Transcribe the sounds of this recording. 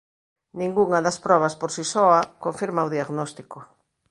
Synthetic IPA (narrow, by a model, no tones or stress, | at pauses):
nĩŋɡuŋɐðɐspɾɔβ̞ɐspoɾsisɔakoɱfiɾmaoðiaɣnɔst̪iko